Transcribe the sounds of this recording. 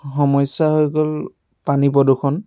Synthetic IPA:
xɔmɔjsaɦojɡɔl | panipɔdukʰɔn

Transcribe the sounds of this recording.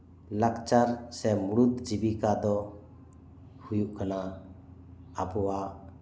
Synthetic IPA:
lakt͡ʃaɾsɛmuɾut̪d͡ʒibikad̪ɔ | hujuʔkana | pɔwaʔ

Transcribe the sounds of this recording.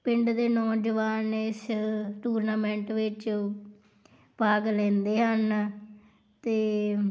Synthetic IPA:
pɪɳɖd̪eːnɔːd͡ʒəʋaːnɪsʈuːɾnaːmɛ̃ːɳʈʋɪt͡ʃ | paːɡlɛ̃ːnd̪eːɦən | t̪eː

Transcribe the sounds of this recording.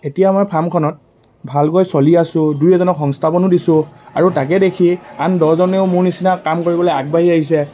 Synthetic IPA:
etijamɔjpʰamkʰɔnɔt̚ | bʱalkɔjsoliasʊ̃dujɛzɔnɔkxɔŋstʰapɔnʊdisʊ̃aɹutak̬ɛdekʰiandɔzɔneʊmuɹnisinakamkoɹibɔlɔjaɡ̚baɦiaɦis̬ɛ

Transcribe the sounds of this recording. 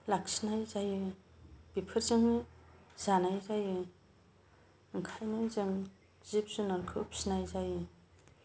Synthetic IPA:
lak̚sinajzajɯb̥ipʰɯɾzɯŋnɯz̥anajzajɯ | ɯŋkʰajnajzɯŋ | zip̚zɯnɔɾkʰɯp̚snajzajɯ

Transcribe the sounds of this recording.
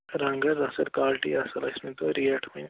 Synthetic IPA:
ɾɐ̃ŋɡɐzɐsɐɾkaːlʈḭɐsɐlɐɪsmẽt̪oɾiɐʈʰmi

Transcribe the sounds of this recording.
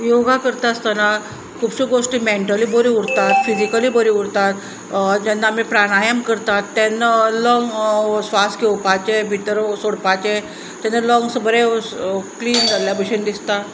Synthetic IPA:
joɡakəɾt̪ast̪ana | kʰuːbɕiːɡoʂʈiːmeɳʈəlibəɾiuɽt̪at̪fid͡ʑikəliːbəɾiuɾt̪at̪ | d͡ʑanːamiːpɾaɽ̃ajəmkəɾt̪at̪ːɛnːəlɔŋɡsʋaskewpat͡ɕebʱit̪ɾəsoɽpat͡ɕe | t̪anːəlɔŋɡsəbəɾekliːnd͡zaljabiɕənd̪ist̪a

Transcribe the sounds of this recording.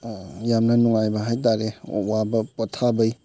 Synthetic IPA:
jamnɐnuŋajbɐɦajt̬aɾewabɐpɔtʰabəj

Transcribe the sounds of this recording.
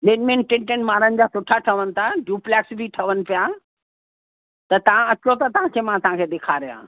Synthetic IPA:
leːʈmẽːnʈɪ̃ɳʈənmaːɾənɪ̆d͡ʑaːsʊʈʰaʈʰɐʋənɪ̆t̪ʰaɖuːplɛːksbʱiʈʰɐʋənɪ̆pija | t̪ɐt̪ɐʋ̤ãɐt͡ɕot̪ɐt̪ɐʋ̤ãːkʰeːmãt̪ɐɦãkʰeːd̪eːkʰaːɾijã̰ː

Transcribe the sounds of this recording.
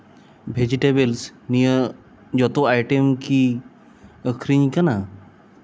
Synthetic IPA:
bʱed͡ʑiʈebelsnijə | d͡ʒɔt̪oajʈemki | əkʰɾiɲkana

